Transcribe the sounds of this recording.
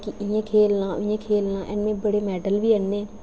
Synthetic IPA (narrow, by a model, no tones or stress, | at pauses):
kɪʔɪjẽːkʰeːlnãːʊjẽːkʰeːlnãːʔɛ̰nmẽːbəɽeːmɛːɖəlʋiːənːeː